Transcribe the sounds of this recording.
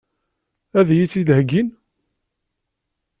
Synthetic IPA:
æðjit͡sːiðhəɡin

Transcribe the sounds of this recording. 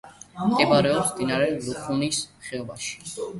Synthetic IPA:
mɛbaɾɛɔpsd̪inaɾɛlupʰunisχɛɔba̰ʃi̥

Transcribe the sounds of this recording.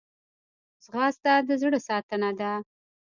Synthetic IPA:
zɣɑsd̪ad̪əzɽəsɑt̪ənad̪a

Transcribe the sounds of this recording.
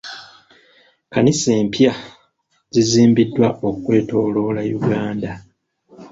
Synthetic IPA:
kanise̞ːmpja | ziziːmbidːwaokukwe̞ːto̞ːlo̞ːlajuɡaːnda

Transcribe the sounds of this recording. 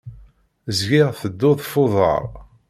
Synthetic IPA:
zɡɪʁθəd̪ːʊðˤfʊðˤə̰ʁˤ

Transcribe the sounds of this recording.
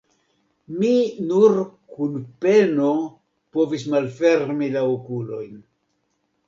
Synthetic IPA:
minuɾkunpe̞no̞ | po̞vis̬malfe̞ɾmilaokulo̞̰jn

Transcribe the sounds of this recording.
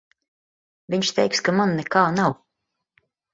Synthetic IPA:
vʲiɲʃt̪ɛjkskamanːɛkaːnaw

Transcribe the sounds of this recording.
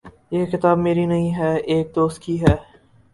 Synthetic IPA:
jeːkɪt̪aːbmeːɾinɐɦĩɦɛːeːk̚d̪oːst̪̚kiɦɛː

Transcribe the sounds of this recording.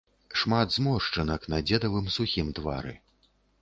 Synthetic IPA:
ʂmad̪zmɔʂt͡ʂɐnɐknɐd͡zʲɛd̪ɐvɨmsuxʲimt̪va̰ɾɨ̰

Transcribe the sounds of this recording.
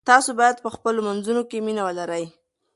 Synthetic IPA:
t̪ɑsobɑjad̪̚pəxpəlomanzunokeminawəlaɾəj

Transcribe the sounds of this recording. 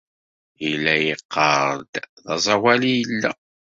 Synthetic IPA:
jəlːæjəqːɑˤɾˤd̪ðɑ̰zˤɑwælijəlːæ

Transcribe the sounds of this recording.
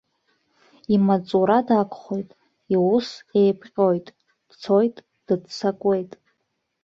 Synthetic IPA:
imat͡sʼuɾadakʷʰʼχo̞jtʼ | iwusejpʰqʲʼo̞jtʼ | d̥t͡sʰojtʼ | d̥ɨdt͡sʰakʷʼe̞jtʼ

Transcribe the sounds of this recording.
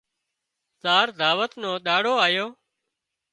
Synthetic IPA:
saːɾd̪ʱaːʋət̪nõːɗaːɽoːaːjoː

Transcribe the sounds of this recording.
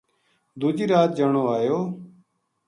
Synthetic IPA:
d̪ud͡ʒiːɾaːt̪̚d͡ʒəɳoːaːjoː

